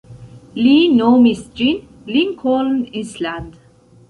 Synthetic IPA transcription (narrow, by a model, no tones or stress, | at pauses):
linomisd͡ʒin | linkʰɔlnisland̪